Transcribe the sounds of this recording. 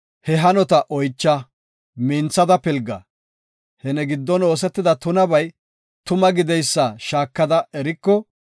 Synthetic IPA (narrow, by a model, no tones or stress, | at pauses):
hɛɦɐnɔt̪ɐʔɔjt͡ʃːɐ | miːnt͡sːɐd̪ɐpɪlɡɐ̰ | hɛnɛɡɪd̪ːɔno̞ːs̬ɛt̪ːɪd̪ɐt̪ʊnɐbɐj | t̪ʊmɐɡɪd̪ɛjsːɐʃaːkːɐd̪ɐɛɾɪkːɔ